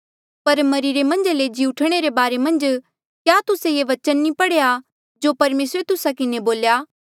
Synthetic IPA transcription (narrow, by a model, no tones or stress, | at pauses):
pɐɾmɐɾiːɾemɐ̃nd͡ʒeled͡ʒiːʊʈʰɽ̃eɾebaːɾemɐ̃nd͡ʒ | kjaːt̪ʊsejeʋɐt͡ʃənːĩpɐɽeja | d͡ʒoːpɐɾmeːsɾet̪ʊsakɪneboːljaː